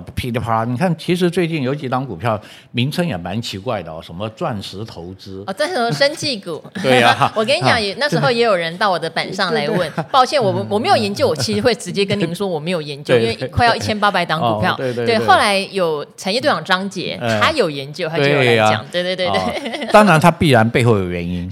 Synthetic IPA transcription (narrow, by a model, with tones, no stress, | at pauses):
pʰi˧˥t̪pʰa˥ni˨˩kʰa˥˩nt͡ɕʰi˧˥ʂ̬ɻ̩˧˥t͡swe˥˧ɪt͡ɕi˥˩njo˧˥ʊt͡ɕi˨˩t̪ɑ˧˥ŋku˨˩pʰjɑ˥˩ʊ | mi˧˥ŋt͡sʰə˥ŋjɛ˨˩ma˧˥nt͡ɕʰi˧˥kwa˥˩ɪd̪ə˨˩˨ʂə˧˥nmə˧t͡swa˥˩nʂɻ̩˧˥t̪ʰo˧˥ʊt͡sɹ̩˥ɔ˥˧˩t͡sa˥n̩˥˩ʂə˥nt͡ɕi˥˩ku˨˩we˥˩wɔ˨˩k̬ə˥ni˧˥t͡ɕjɑ˧˩ŋɛ˨˩˦na˥˩ʂɻ̩˧˥xo˥ʊjɛ˧˥jo˨˩ʊɻə˧˥nt̪ɑ˥˩ʊwɔ˨˩d̪ə˦pə˨˩nʂɑ˥˩ŋla˧˥ɪwə˥˩npɑ˥˧ʊɕjɛ˥˩nwɔ˨˩wɔ˨˩me˧˥ɪjjɛ˧˥nt͡ɕjo˥˩ʊwɔ˨˩t͡ɕʰi˧˥ʂ̩˧˥xwe˥˩ɪʈ͡ʂɻ̩˧˥t͡ɕjɛ˥k̬ə˥ni˧˥ʂwɔ˥wɔ˨˩me˧˥ɪjo˨˩ʊjɛ˧˥nt͡ɕjo˥˧i˥nwi˥kʰa˥ɪjʊi˩˥t͡ɕʰɛ˥npa˥pa˨˩ɪt̪ɑ˧˥ŋu˨˩pʰjɑ˥˩ʊwe˧˥˧we˥˩xo˥˩ʊla˧˥ɪjo˨˩ʊt͡sʰa˧˥njɛ˥˧t̪wɑ˨˩ʈ͡ʂɑ˥ŋt͡ɕjɛ̰˧˥t̪ʰa˥jo˨˩ʊjɛ˧˥nt͡ɕjo˥˧ʊa˥˧˨t͡ɕɑ̰˨˦ŋt̪we˥˧ɪt̪wt̪wte˥˩t̪ɑ˥ŋɻa˧˥nt̪ʰa˥pi˥˩ɻa˧˥npe˥˧ɪxo˥˩ʊjo˨˩ɥɛ̰˧˥ni˥n